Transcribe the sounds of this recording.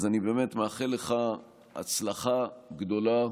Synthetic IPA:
zanibemet̪meaχeleχa | a̰t͡slaχaɡd̪o̞la

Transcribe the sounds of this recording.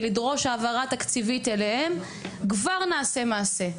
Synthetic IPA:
lidʁo̞ʃaːvaʁat̪akt͡sivit̪elehem | kvaʁnaːse̞maːse̞

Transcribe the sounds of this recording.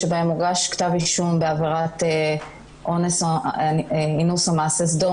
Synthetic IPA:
ebaemuʁɡaʃkt̪aviʃumbeaviʁat̪e | ʔones | inusomaːses̬do

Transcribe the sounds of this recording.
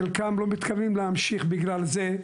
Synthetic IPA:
lkamlo̞mit̪kʰavimlehamʃiχbiɡlalze

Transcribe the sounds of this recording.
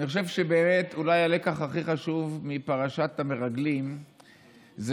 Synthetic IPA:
niχo̞ʃe̞vʃe̞be̞ːme̞tʰulajalekaχaχiχaʃuvmipaʁaʃatame̞ʁaɡlim | z

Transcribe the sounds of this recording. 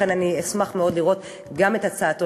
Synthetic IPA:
enaniesmaχmeo̞dliʁo̞t | ɡame̞tat͡saːto

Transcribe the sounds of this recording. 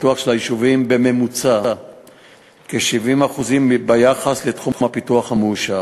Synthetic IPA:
tuaχʃelajiʃuvimbe̞me̞mut͡sa | keʃivimaχuzimbajaχasle̞t̪χumhapituaχhameuʃa

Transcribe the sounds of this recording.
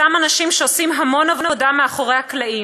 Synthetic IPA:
amanaʃimʃeosimɦamo̞navonavodameaχo̞ʁehaklai

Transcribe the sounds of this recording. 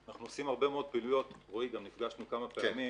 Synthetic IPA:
anaχnuosimhaʁbe̞meod̪̚pilujo̞tʁoiɡamnifɡaʃnukamapeami

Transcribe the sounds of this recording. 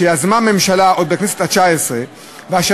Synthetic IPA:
eazmame̞mʃalao̞d̪bekneset̪hat͡ʃaesʁe | veaʃa

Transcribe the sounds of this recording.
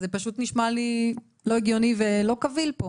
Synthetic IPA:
zepaʃut̪niʃmali | lo̞eɡjo̞nivelo̞kavilpo

